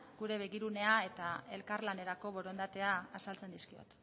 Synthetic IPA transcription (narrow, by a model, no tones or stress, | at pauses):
ɡuɾe̞β̞e̞ɣiɾune̞ae̞t̪ae̞lkaɾlane̞ɾako̞βo̞ɾond̪at̪e̞aasalt͡se̞nd̪iskio̰t̪